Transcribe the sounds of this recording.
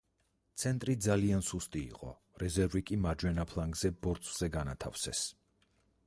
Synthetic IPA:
t̪sʰɛnt̪ʼɾid̪zaliansust̪ʼḭːqʼɔ̰ | ɾɛzɛɾvikʼimad͡ʒwɛnapʰlˠaŋɡz̥ɛbɔɾt̪sʼʰz̥ɛɡanat̪ʰa̰fsɛ̰s

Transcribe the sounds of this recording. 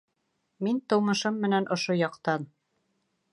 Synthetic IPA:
mint̪ŏwmɤ̆ʃɤmːɘ̆nænʔŏʃojɑqt̪ɑn

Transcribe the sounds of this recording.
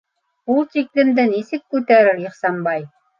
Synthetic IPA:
ulˠt̪iklɘ̆md̪ɘnisɘkːʉt̪æɾɘɾiχsɑmbɑj

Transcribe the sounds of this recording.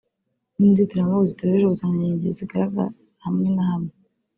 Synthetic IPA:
ninzitiɾamaβuzitaaβiʒeuzaŋaɲɲeɟeziɡaɾaɡa̰ | hamŋenahamŋe

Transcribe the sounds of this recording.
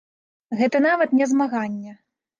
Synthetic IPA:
ɣɛt̪ɐnavɐt̪nʲɛzmaɣanʲːɛ

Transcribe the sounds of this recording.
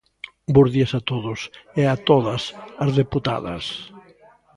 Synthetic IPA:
bozðiɐsat̪oðʊsɛat̪oðɐsɐzðeput̪a̰ðɐ̰s

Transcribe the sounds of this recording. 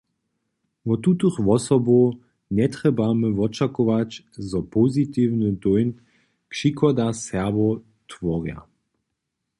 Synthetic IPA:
vɔt̪ut̪uxʋɔsɔbo | nɛt̪ʁɛbaməvɔt͡ʃakɔʋat͡ɕ | zɔpɔzit̪iːwnəd̪ɔjn | kʃikʰɔd̪asɛɐbɔ | t̪vɔʁja̰

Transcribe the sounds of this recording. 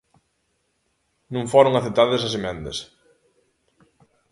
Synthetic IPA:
nũŋfoɾoŋaθet̪aðɐsɐsemɛ̃nd̪ɐ̰s

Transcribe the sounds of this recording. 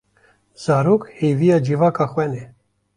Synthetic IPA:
z̥aːɾoːkhejvijaːd͡ʒiːvaːkʰɑːxwɛnɛ

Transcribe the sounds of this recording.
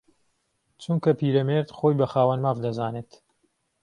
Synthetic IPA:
t͡ʃʰuŋkɐpiːɾɐmeɾt̪xojbɐxaːwɐnmaːvd̪ɐzaːneːt̪

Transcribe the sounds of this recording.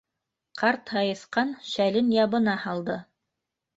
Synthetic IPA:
qʰɑɾt̪hɑjɤ̆θqɑnʃælɘnjɑβɤ̆nɑhɑlˠd̪ɤ

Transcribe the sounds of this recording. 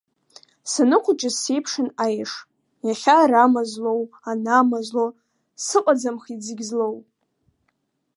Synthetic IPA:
sanɨqʷʰʊt͡ʃʼɪsejpʰʂɨnajʂ | jaχʲaɾamazlo̞w | anamazlo | sɨqʷʼad͡zamχid͡zɨɡʲzlow

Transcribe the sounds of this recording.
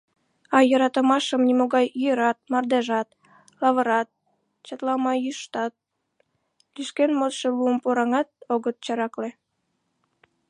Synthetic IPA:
ɑjəɾɑt̪əmɑʃəmnimoɣɑjyjəɾɑt̪̚mɑrd̪eʒɑt̪ | lɑβəɾɑt̪̚ | t͡ɕət̪lɑmɑjyʃt̪ɑt̪̚ | liʃkenmot̪ʃeluəmpoɾɑŋɑt̪̚oɣət̪̚t͡ɕɑɾɑkle

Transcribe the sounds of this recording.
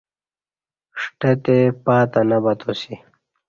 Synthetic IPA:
ʂʈet̪epaːt̪anɐbɐt̪osi

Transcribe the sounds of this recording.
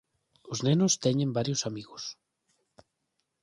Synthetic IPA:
oznenʊst̪ɛɲẽmbaɾjosamiɣos

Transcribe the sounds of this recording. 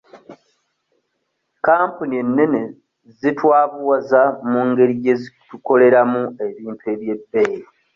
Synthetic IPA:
kaːmpunie̞nːe̞ne | zitwaːβuwazamuŋɡe̞ɾije̞ziku̥tuko̞le̞ɾamue̞βiːmpʰe̞βje̞bːejɾi

